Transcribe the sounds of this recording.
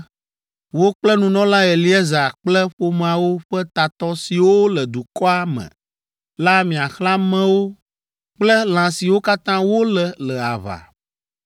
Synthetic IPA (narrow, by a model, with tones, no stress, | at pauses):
wo˦k͡plɛ˦nũ˨nɔ̃˦la˦ɛ˨li˦ɛ˦za˨k͡plɛ˦ɸo˦m˨ã˨wo˦ɸɛ˦t̪a˨t̪ɔ˦si˨wo˦lɛ˨d̪u˨kɔ˦a˦mɛ̰̃˨ | la˦mĩ˨a˨xlã˦mɛ̃˦wo˦ | k͡plɛ˦l̃ã˨si˨wo˦ka˦t̪ã˦wo˦lɛ˨lɛ˨a̰˨βa̰˨